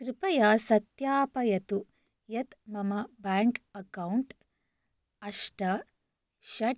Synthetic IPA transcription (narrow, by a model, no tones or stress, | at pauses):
kɾɪpɐjaːsɐt̪jaːpɐjɐt̪u | jɐt̪mɐmɐbaːŋkɐkɐwɳʈ | ɐʂʈɐ | ʃɐʈ